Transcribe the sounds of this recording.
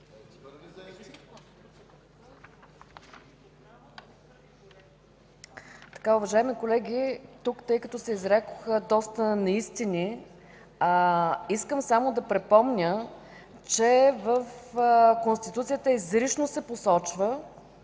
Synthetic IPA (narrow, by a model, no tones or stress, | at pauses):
t̪ɐ̥kaʊvɐʒaɛmikolɛɡʲit̪ukt̪ɤjkɐt̪ɔsɛizɾɛko̥xəd̪ɔst̪ənɐist̪inʲi | iskəmsamod̪ɐpɾɛpɔmnʲə | t͡ʃɛvəfkonst̪it̪ut̪sijət̪əizɾiʃnosɛposɔt͡ʃvə